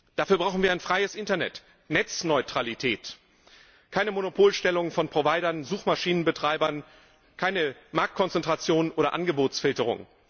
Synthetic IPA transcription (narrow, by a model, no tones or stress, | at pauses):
d̥afyːɐbʁaʊxn̩viɐaɪnfʁ̥aɪəsʔɪntɐnɛ̰t | nɛt͡snɔʏtʁ̥alitʰɛːt | kʰaɪnəmonopʰoːlʃtɛlʊŋfɔnpʁ̥ovaɪɾɐnzuːxmaʃiːnənbətʁ̥aɪbɐn | kʰaɪnəmaɐk̚t̚kʰɔnt͡sɛntʁ̥at͡sjoːnənʔoːɾɐʔanɡəboːt͡sfɪltəʁ̞ʊ̰ŋ